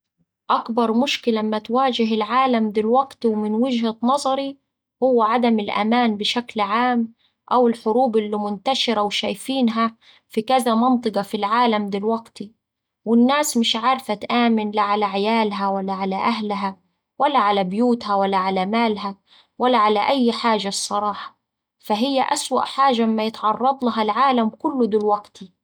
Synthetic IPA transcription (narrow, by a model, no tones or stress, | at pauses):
ʔakbɑɾˤmʊʃkɪlamːat̪waːd͡ʒɪɦɪlʕaːlamd̪ɪlwaɡt̪wmɪnwɪd͡ʒhanɑzˤɑɾi | hʊwːʕad̪amɪlʔa̰maːnbɪʃaklʕaːm | ʔawɪlħʊɾuːbʔɪlːimʊnt̪aʃɪɾawʃaːjfiːnɦa | fikazamɑnt̪ˤɨɡɑfilʕaːlamd̪ɪlwaɡt̪i | wɪnːaːsmɪʃʕɑɾˤfat̪ʔaːmɪnlaʕalaʕɪjaːlɦawalːaʕalaʔaɦlɦa | walːaʕalabɪjuːt̪hawalːaʕalamaːlɦa | walːaʕalaʔajːħaːʒasˤːɑɾˤɑːħɑ̥ | faɦɪjːaʔaswa̰ʔħaːʒamɪmːajɪt̪ʕɑrˤːɑd̪ˤlaɦalʕaːlamkʊlːʊd̪ʊlwaɡt̪i